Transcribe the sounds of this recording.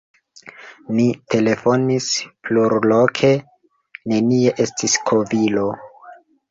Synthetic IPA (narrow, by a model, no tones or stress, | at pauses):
nitʰe̞le̞fonispluɾlokʰe̞ | ne̞nie̞ʔe̞stiskʰo̞vilo̞